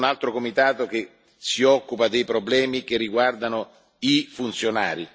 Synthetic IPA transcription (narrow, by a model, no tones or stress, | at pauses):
nalt̪ɾokomit̪aːt̪ok̟e | siɔkːupad̪ejpɾoblɛːmikerːiɡward̪ano | ifunt̪sjona̰ːɾi